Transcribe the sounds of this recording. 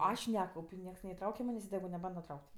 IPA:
ˈɐʃ ˈnʲæːkɐʊpʲ ɪ ˈnʲiɛks nʲɛɪˈtrɐʊkʲɛ ˈmɑːnʲeːsʲ ɪ tʲɛˈɡʊ nʲɛˈbɐndɐ ˈtrɐʊkʲtʲ

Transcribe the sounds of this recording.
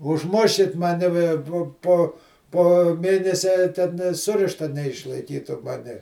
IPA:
ʊʒˈmʊʃʲkʲɪt mɐˈnʲɪ ʋʲɛ ˈpoː ˈpoː poː ˈmʲeːnʲɛsʲɛ tʲɛn nʲeː ˈsʊrʲɪʃtɐ nʲɛɪʃlˠɐɪˈkʲiːtʊ ˈmɑːnʲɪ

